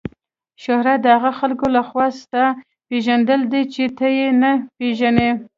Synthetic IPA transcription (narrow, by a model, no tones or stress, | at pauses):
ʃohɾad̪əhaɣaxalkolaxwɑst̪a | peʒand̪əld̪et͡ʃet̪əjenapeʒane